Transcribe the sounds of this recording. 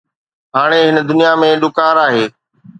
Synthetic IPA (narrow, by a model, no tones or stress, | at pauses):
ɦaːɽ̃eɦɪnəd̪ʊnijamẽɗʊkaːɾaːɦeː